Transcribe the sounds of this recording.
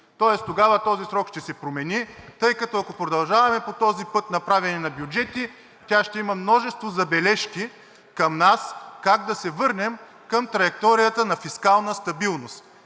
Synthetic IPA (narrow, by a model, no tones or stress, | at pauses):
t̪ɔɛst̪oɡavət̪ɔzisɾɔkʃt̪ɛsɛpɾomɛnit̪ɤjkɐt̪ɔɐkopɾod̪ɐlˠʒavɐmɛpot̪ɔzipɤt̪nɐpɾavɛnɛnɐbjud͡ʒɛt̪i | t̪ʲaʃt̪ɛimɐmnɔʒɛst̪vozɐbɛlɛʃki | kɐmnaskaɡd̪ɐsɛvɤɾnɛm | kɐmt̪ɾɐjɛk̚t̪ɔɾijət̪ənɐfiskalˠnəst̪ɐbilˠnost̪